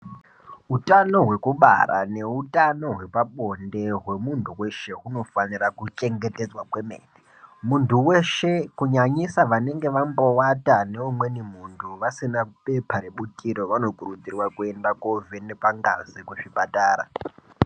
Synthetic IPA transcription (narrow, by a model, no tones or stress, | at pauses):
utano̞ɦwe̞kuɓa̰ra̰ne̞utano̞ɦwe̞paɓo̞nde̞ɦwe̞muntʰuwe̞ʃe̞ɦuno̞fanirakut͡ʃe̞ŋɡe̞te̞d͡zwakwe̞mḛːni | muntʰuwe̞ʃe̞kuɲaɲisaʋane̞ŋɡe̞ʋambowatane̞umwe̞nimuntʰuʋasinape̞pʰaɾeɓutʼiɾo̞ʋano̞kurud͡zirwakue̞ndakovenepaŋɡa̰zikuʂipata̰ːɾa̰